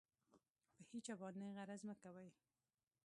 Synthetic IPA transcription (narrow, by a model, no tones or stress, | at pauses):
pəhit͡ʃabɑneɣaɾazməkawaj